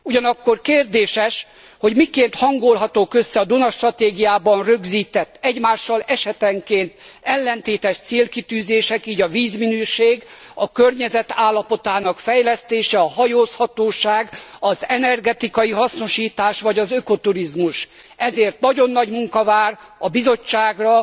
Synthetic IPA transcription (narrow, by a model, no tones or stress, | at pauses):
uɟɒnɒkːo̞rkeːrd̪eːʃɛʃ | ho̞ɟmikeːnt̪hɒŋɡo̞lɦɒt̪oːkø̞sːɛɒd̪unɒʃt̪rɒt̪eːɡijaːbɒnrøɡziːt̪ɛt̪ːɛɟmaːʃːɒlɛʃɛt̪ɛŋkeːnt̪ɛlːɛnt̪eːt̪ɛʃt̪seːlkit̪yːzeːʃɛkiːɟɒviːzminyːʃeːɡɒkørɲɛzɛt̪aːlːɒpo̞t̪aːnɒkfɛjlɛst̪eːʃɛɒɦɒjoːshɒt̪oːʃaːɡɒzɛnɛrɡɛt̪ikɒjiɦɒsno̞ʃiːt̪aːʃʋɒɟɒzøko̞t̪uɾizmuʃ | ɛzeːrt̪̚nɒɟo̞nːɒɟmuŋkɒvaːrɒbizo̞t͡ʃːaːɡrɒ